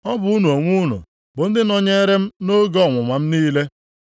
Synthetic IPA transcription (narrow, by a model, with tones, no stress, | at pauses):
ɔ˦bʊ˨˦u˦nu˨o˨ŋʷu˦nʊ̰˨ | bʊ˨n̩˦dɪ˦nɔ˦ɲe˦ɾe˦m̩˦no˦ɡɔ˦˨ŋʷʊ˨ŋʷa˨m̩˦niː˦le˦